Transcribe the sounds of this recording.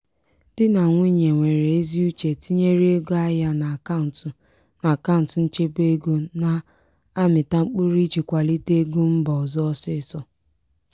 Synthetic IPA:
d̥ɪ˦na˨ŋʷi˦ɲe˨ŋʷe˨ɾe˨e˦zi˦u˦t͡ʃe˨ti˦ɲe˦ɾe˦ɡo˦a˦ja˦na˨ka˦˨n˨t | na˨ka˦ʊ˨n˨tn̩˦t͡ʃe˦be˦ɡo˦na˨ | a˦mɪ˨ta˦ŋ͡m̩˦k͡pu˦ɾi˦t͡ʃi˨kʷa˨li˦te˦ɡu˦m̩˦bɔ˨zɔ˦ɔ˦sɪ˦˨sɔ˦

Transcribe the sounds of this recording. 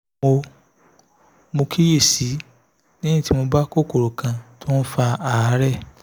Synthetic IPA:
o˧ | mo˧kʰi˦je˦˨si˨˦ | nĩ˦ĩ˦˨ti˨˦mo˧ba˦ko˦˨ko˨ɾo˨kã˧tʰo˦n̩˦fa˧a˨˦ɾɛ˦˨

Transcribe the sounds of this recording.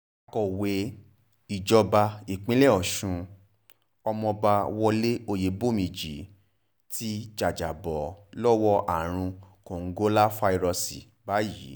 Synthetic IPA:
a˨kɔ˨we˨˦ | i˨d͡ʒɔ˧ba˧i˨k͡pĩ˦lɛ˦˨ɔ˨ʃũ˧ | ɔ˧mɔ̃˧ba˧wɔ˧le˦o˧je˨˦bo˦˨mĩ˨d͡ʒi˨˦ | ti˦d͡ʒa˨d͡ʒa˨bɔ˨lɔ˦wɔ˦ʔa̰˨ɾ̃ũ˧kõ˨ŋ̩˦ɡo˦la˦fa˧i˧ɾɔ˧si˨ | ba˨˦jḭ˨˦

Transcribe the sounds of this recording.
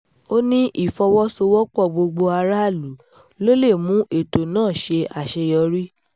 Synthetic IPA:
o˦nĩ˦ʔi˦˨fɔ˧wɔ˦so˧wɔ˦k͡pɔ˦˨ɡ͡bo˧ɡ͡bo˧a˧ɾa˦˨lu˨˦ | lo˦le˦˨mũ˨˦ʔe˨to˨nãː˦˨ʃe˧a˨ʃɛ˧jɔ˧ɾi˦

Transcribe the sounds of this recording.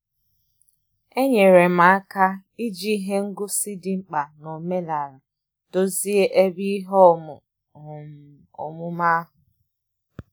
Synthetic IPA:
e˦ɲe˨ɾe˨ma˨a˦ka˦ | i˦d͡ʒi˦ɦe˦ŋ̩˦ɡʊ˦si˦di˨ŋ͡m̩˦k͡pa˨no˨me˦la˨ɾa˨ | to˦zi˦e˦ʔe˦bi˦i˦ɦɔ˦m˨ | o̰˨mʊ˦ma˦a˦ɦʊ˨

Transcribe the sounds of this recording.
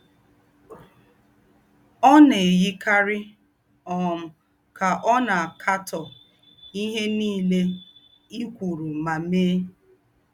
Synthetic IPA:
ɔ˦ne˨ji˦ka˦ɾɪ˦ | ɔ˨m̩˨ | ka˨ʔɔ˦na˨a˨kʰa˦tɔ˨ | i˦ɦe˦niː˦˨le˦ | i˦kʷu˨ɾu˨ma˨meː˦

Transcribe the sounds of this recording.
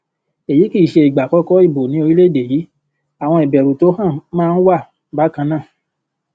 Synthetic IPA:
e˨ji˨˦ki˦˨i˨ʃe˧i˨ɡ͡ba˨kɔ˨˦kɔ˦i˦˨bo˨nĩ˨˦o˧ɾi˦le˦˨de˨ji˨˦ | a˨w̃ɔ̃˧i˨bɛ˨ɾu˨to˨˦hã˦˨mãː˦˧n̩˦wa˦˨ | ba˨˦kã˧nãː˦˨

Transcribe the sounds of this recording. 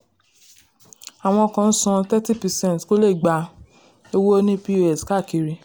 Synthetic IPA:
a˨w̃ɔ̃˧ɔ˧kã˨n̩˦sɔ̃˧tɛ˦ti˦˨pɛ˨sɛ̃˦n˨tko˦le˦˨ɡ͡ba˨˧ | e˧wo˦nĩ˦pi˦o˦ɛ˨ska˦˨ki˨ɾi˧

